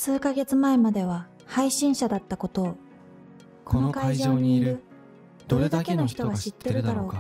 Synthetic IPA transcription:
sɨːkaɡe̞t͡sɨmaemad̪e̞β̞a | haiɕĩɰ̃ɕad̪at̪ːako̞t̪o̞ː | ko̞nokaiʑooːɲ̟iɾɯ̟ | d̪oɾed̪akeno̞çi̥t̪oɡaɕit̪ːe̞ɾɯ̟d̪aɾo̞ː

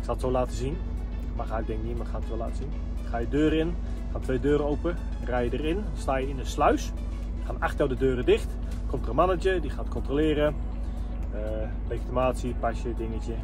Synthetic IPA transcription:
ɪksalˠətsowlaːtəzin | maxaːɪɡ̚dɛŋknimaxaːətsola̰ːtəz̥in | χaːjədøːɾəɪn | χaːtʰʋejdøːɾəowpə | rajədərɪn | staːjəɪnəslœɥs | χaːnaxtəldədøːrədɪxt | kɔmtərənmanəd͡ʒədiχaːtkʰɔntroːlɪːɾə | lejkitimaːtsipasjədɪŋətə

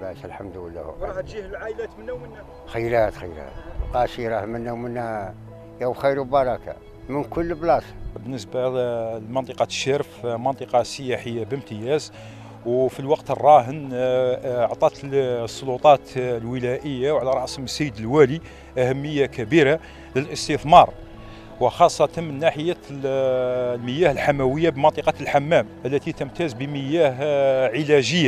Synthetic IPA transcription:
lɑslħamd̪wəlːæ̰hṵʒihlʕaʔlæt̪mənːwmənːæ | xəjːlæt̪xəjlæ̰t̪qɑʃiɾˤɑhmənːæwmənːæ | jæwxijɾwbɑɾˤɑka̰ | mənkʊlːəblɑsbənːəsbalmɑnt̪ˤeqɑʃæɾəfmɑnt̪ˤeqɑsːəjaħəjːabəmt̪əjæz | wfilwɑqt̪ərˤːɑɦən | ʕt̪ˤɑt̪sˤːolut̪ˤɑt̪lwəlæʔəjːawʕlæɾˤːɑsməsːəjəd̪əlwæli | ʔæhæmːəjːakæbiɾa | ləlʔəst̪əθmɑɾˤ | wəxɑsˤːɑt̪ɑnmənːaħəjæ | lməjæhəlħamæwəjːabəmɑnt̪ˤeqɑlħamːæmʔəlːæt̪it̪əmt̪æzbəməjæɦʕəlæʒəjːa

